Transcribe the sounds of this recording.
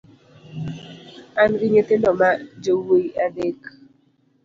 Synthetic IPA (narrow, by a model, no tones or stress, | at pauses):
anɡɪɲet̪enɔmad͡ʒowoiadek